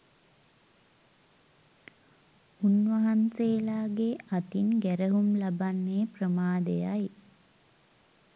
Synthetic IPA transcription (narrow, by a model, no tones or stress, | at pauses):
unʋaɦanseːlaːɡeat̪inɡæɾəɦumlabanːeːprəmaːd̪ejaj